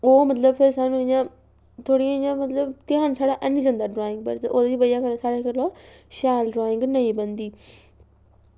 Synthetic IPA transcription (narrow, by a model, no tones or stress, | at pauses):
omɐt̪ləbpʰɪɾsãːñɲã | t̪ʰoːɽiɪ̃ãmɐt̪ləbt̪ɪaːnsaːɽaʔɐnĩzə̃nd̪aɖɾaːɪ̃ŋɡpɐɾt̪ʔoːt̪ːd͡ʑibɐjakɐnsaːɽakəloʃaːlɖɾaːɪ̃ŋɡnɐĩbɐ̃nd̪iː